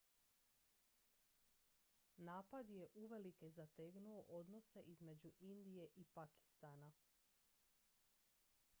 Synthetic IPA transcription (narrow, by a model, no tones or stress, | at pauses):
naːpad̪je̞ʔuʋe̞likezat̪eɡnuoʔo̞d̪no̞se̞ʔizme̞d͡ʑuʔind̪ije̞ʔipaki̥st̪ana